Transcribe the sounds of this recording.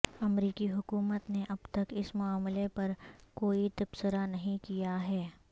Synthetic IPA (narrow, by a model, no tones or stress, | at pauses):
ɐmɾiːkiɦʊkuːmət̪neʔɐbt̪ɐkɪsmʊaːmlepɐɾkoːit̪ɐb̥səɾanɐɦĩkijaɦɛː